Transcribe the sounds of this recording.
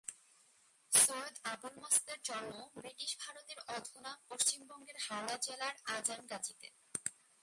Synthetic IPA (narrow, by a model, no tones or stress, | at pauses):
soed̪abulmasd̪eɾd͡ʑɔnːobɾiʈiʃbʱaɾot̪eɾɔd̪ʱonapoʃt͡ɕimbɔŋɡeɾɦawlad͡ʑelaɾad͡ʑanɡad͡ʑit̪ḛ